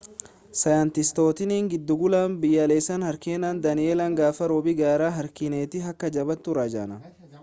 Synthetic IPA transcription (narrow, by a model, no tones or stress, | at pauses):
sɐjant̪ɪst̪o̞ːt̪ɪniːŋɡɪd̪ːʊɡʊlaːnbɪjːɐleːsɐnhɐɾkeːnaːnd̪ɐnɪeːlɐŋɡaːfɐɾoːbɪɡaːɾaːɦɐɾkɪneːt̪ɪɦɐkːɐd͡ʒɐbɐt̪ːʊɾaːd͡ʒa̰ːnɐ